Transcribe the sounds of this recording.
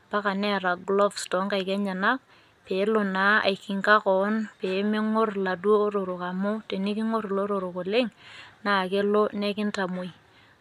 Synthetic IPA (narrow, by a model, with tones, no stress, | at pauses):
pa˦ka˨nɛ˦˨ɾa˨ɡlɔ˦fstɔ˨˦ŋka˨ɪ˨kɛ˦ɲa˨na˦k̚ | pe˨˦lʊ˨na˨˦a̰˨ɪ˨kɪ˨ŋka˦kɔ˨˦npe˨˦mɪ˦ŋʊ˦rla˨du˦o˦ɾʊ˨ɾʊ˨ka˨mʊ˦te˨ni˦kɪ˦ŋʊ˦ɾlo˦ɾʊ˨ɾʊ˨kʊ˨lɪ˦ŋna˨ke˦lo˦nɛ˦kɪ˦nta˨mo˨j